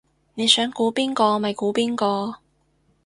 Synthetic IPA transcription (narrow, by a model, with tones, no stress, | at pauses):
ne˨˧jsœː˨˥ŋkuː˨˥piː˥nkɔː˧mɐ˨jkuː˨˥piː˥nkɔː˧